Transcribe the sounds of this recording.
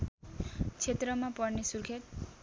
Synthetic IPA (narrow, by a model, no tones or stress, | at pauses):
t͡sʰet̪rʌmapʌrnesurkʰet̪̚